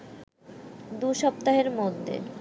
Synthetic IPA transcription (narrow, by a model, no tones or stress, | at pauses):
d̪uʃɔp̚t̪aɦeɾmod̪ʱːḛ